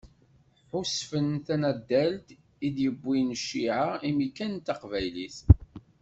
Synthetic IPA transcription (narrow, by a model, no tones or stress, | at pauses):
ħʊsfənθænæd̪ːælt̪ | id̪jəbːinʃːiʕaimikːænt̪ːɑqvæjliθ